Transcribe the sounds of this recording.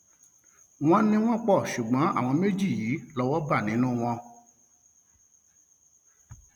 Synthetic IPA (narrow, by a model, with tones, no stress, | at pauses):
w̃ɔ̃˧nĩ˧w̃ɔ̃˦k͡pɔ˦˨ʃu˨ɡ͡bɔ̃˨˦a̰˦˨w̃ɔ̃˧me˦d͡ʒi˦˨jiː˨˦lɔ˦wɔ˦ba˦˨nĩ˨˦nũ˦w̃ɔ̃˧